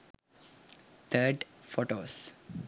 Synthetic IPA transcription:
t̪ʰəɾɖfoːʈoːs

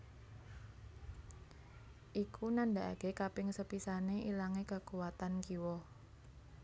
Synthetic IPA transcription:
ʔikʰunandaʔa̰ɡ̥ekapɪŋsəpisaneʔilaŋekəkuwat̪ankiwɔ

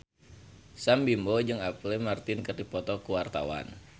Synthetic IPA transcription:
sambimbod͡ʒɨŋaplɛmart̪ɪnkərdipɔt̪ɔkuwart̪a̰wa̰n

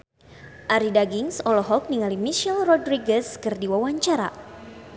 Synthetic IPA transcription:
ʔaɾidaɡiŋsɔlɔɦɔk̚niŋalimiʃɛlrɔdɾiɡɛskɨrdiwawaɲt͡ʃaɾa̰

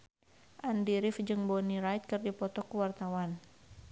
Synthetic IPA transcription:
ʔandiɾifd͡ʒɨŋbɔniɾajt̪̚kɨrdipɔt̪ɔkuwart̪awan

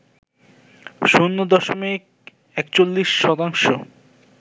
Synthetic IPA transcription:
ʃunːod̪ɔʃomik̚ | ɛkt͡ɕolːiʃːɔt̪aŋʃo

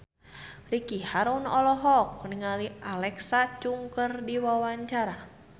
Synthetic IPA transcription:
rikihaɾunɔlɔɦɔk̚niŋalialɛksat͡ʃuŋkərdiwawaɲt͡ʃaɾa

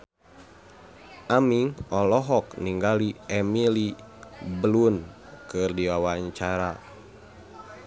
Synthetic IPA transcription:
ʔamiŋɔlɔɦɔkniŋɡaliɛmili | bəlunkɨrdiwawaɲt͡ʃaɾa

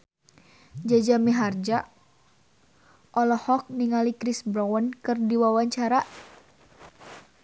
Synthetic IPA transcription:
d͡ʒad͡ʒamiɦard͡ʒa | ʔɔlɔhɔk̚niŋalikɾisbɾawənkɨrdiwawaɲt͡ʃaɾa

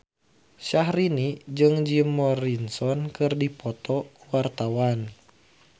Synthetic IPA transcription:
ʃahɾinid͡ʒɨŋd͡ʒimɔɾinsɔnkɨrdipɔt̪ɔkuwart̪awan

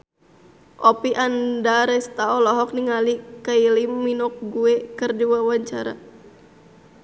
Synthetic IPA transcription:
ʔɔpiʔandaɾɛst̪aɔlɔɦɔk̚niŋalikailimːinɔk̚ɡuɛkɨrdiwawaɲt͡ʃaɾa̰

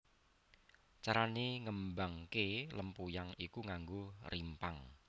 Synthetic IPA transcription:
t͡ʃaɾaniŋəmbaŋkeləmpujaŋikuŋaŋɡorʔimpaŋ

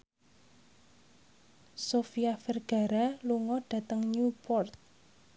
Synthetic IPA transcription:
sofiafɛrɡ̥a̤ɾaluŋɔɖ̥ä̤t̪əŋɲupɔrt̪̚

